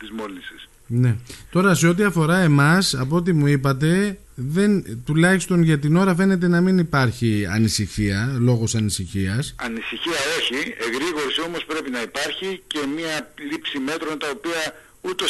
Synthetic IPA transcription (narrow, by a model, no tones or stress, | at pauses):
t̪izmo̞lisis | ne̞t̪o̞ɾɐse̞o̞t̪̬iɐfo̞ɾɐe̞mɐsɐpoot̪imuipɐt̪e̞ | ðe̞nt̪ulɐçist̪o̞nʝɐt̪ino̞ɾɐfe̞ne̞t̪̬e̞nɐminipɐɾçiɐ̰nisiçiɐlo̞ɣo̞sɐnisiçiɐsɐnisiçiɐo̞çieɣɾiɣo̞ɾisio̞mo̞spɾe̞pinɐipɐɾçice̞miɐlipsime̞t̪ɾo̞nt̪ɐo̞piɐ | ut̪o̞